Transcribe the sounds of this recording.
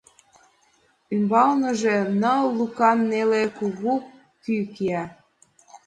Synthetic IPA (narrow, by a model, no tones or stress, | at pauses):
ymbɑlnə̆ʒenəlukɑnːelekuɣu | kykiæ